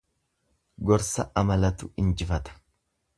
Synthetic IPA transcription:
ɡɔɾsɐ̰ʔɐmɐlɐt̪ʊɪnd͡ʒɪfɐt̪ɐ̥

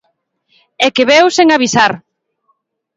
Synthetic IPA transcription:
ɛkeβewseŋaβisaɾ

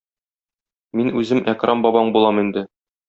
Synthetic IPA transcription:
minʉzɘmʔækrʔɑmbɒbɑɴbulˠɑmind̪ɘ

